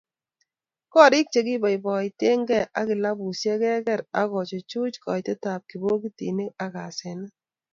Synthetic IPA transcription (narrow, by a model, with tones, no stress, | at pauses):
kɔ˦ɾi˦k̚t͡ʃe˨ki˦ba˨jbɔ˨jte˦ŋɡɛ˦ʔa˦kɪ˨la˦bu˨sjɛ˦kɛ˦kɛ˦ɾa˦kɔ˨t͡ʃɔ˨t͡ʃu˦t͡ʃkɔ̰˨jte˦ta˨p̚ki˨bo˦ki˦tḭ˨ne˦a˨ka˨sɛ˨na˦